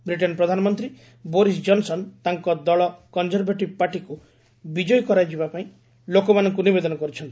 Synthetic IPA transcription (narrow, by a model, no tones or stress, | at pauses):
bɾiʈ̬ɔnpɾɔd̪ʱanɔmɔnt̪ɾi | bɔɾis̬d͡ʒɔnsɔnt̪aŋkɔd̪ɔɭɔkɔnzɔɾbeʈibpaʈiku | bid͡ʒɔjkɔɾajd͡ʒibapaĩ | lokɔmanɔŋkunibed̪ɔnɔkɔɾit͡ʃʰɔnt̪i̥